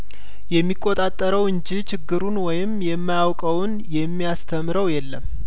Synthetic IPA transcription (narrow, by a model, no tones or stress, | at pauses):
jɛmːikʼːot̪ʼat̪ʼːəɾəwɨnd͡ʒit͡ʃʰɪɡːɨɾunwɔjɪmjɛmːajawkʼəwn | jɛmːijast̪ʰəmɨɾəwjɛlːəm